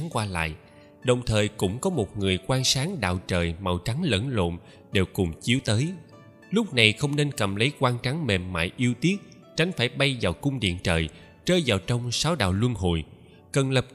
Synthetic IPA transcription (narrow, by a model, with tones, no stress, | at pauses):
ŋkwaː˧la̰ː˧˨jʔ | ɗə˨˩wŋ͡mt̪ʰəː˨˩jkʊ̰˧˥ŋ͡mkɔ˨˦mo˨˩t̚ŋɨ˨˩əjkwaː˧ŋsaː˨˦ŋɗa̰ː˧˨wt͡ɕəː˨˩jma˨˩wt͡ɕa˨˦ŋlə̰˧˥nlo̰˧˨n | ɗe˨˩wkʊ˨˩ŋ͡mt͡ɕi˨˦əwt̪əː˨˦j | lʊ˦˥k͡p̚na˨˩jxə˧wŋ͡mne˧nkə˨˩mlə˨˦jkwaː˧ŋt͡ɕa˨˦ŋme˨˩mːa̰ː˧˨jʔi˧əwt̪i˦˥ət̚ | t͡ɕa˨˦jŋ̟faː˧˩jɓa˧jvaː˨˩wkʊ˧ŋ͡mɗḭ˧˨ənt͡ɕəː˨˩j | t͡ɕəː˧jzaː˨˩wt͡ɕɔ˧wŋ͡msaː˨˦wɗa̰ː˧˨wlwə˧nɦo̰˧˨j | kə˨˩nlə˨˩p̚